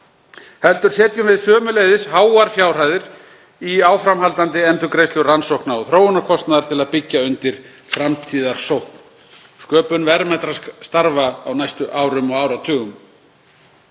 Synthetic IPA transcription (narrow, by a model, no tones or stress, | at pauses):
hɛlt̪ʏɾ̥sɛːt̪jʏmvɪðsœːmʏlejðɪshaːwaɾfjawr̥aːjðɪɾ | iaːwfɾamhalt̪ant̪ɪɛnt̪ʏkɾejslʏɣransowknaɔθɾoːwʏnakʰɔst̪naðaɾt̪ʰɪlaðpɪcːaʏnt̪ɪɾ̥ | fɾamt̪ʰiːðaɾ̥sowhkn | skœːpʏnvɛɾmɛt̪ɾast̪aɾvaːwnajst̪ʏʔaːwɾʏmɔɣaːwɾat̪ʰʏːɣʏm